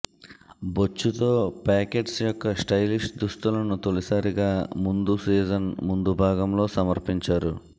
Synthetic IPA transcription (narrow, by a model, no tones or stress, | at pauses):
bot͡ʃːut̪o̞ːpaːke̞ːʈsjɔkːɐsʈɐjliʂʈd̪uʂt̪ulɐnut̪olisaːɾiɡaːmund̪usiːd͡ʒɐnmund̪ubʱaːɡɐmlo̞ːsɐmɐɾpiɲt͡ʃaːɾṵ